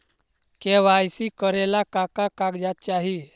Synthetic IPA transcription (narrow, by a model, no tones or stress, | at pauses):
keʋajsikəɾɛlakakakaɡd͡ʒat̪̚t͡ʃaɦi